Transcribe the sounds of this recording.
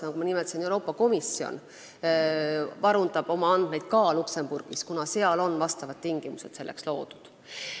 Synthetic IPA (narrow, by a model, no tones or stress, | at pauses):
ɑmɑkumɑnimeɛt̪ːˑɑsenewɾo̞ːpːˑɑko̞misːio̞̰n | vɑɾund̪ɑb̥o̞mɑɑnd̪̥mejd̪̥kɑːlukse̞mburɡ̥iskunɑse̞ɑlo̞nːvɑst̪ɑvɑd̪̚t̪ːiŋɡ̥imuse̞d̪̥se̞lːekslo̞̰ːd̪̥u̥d̪̥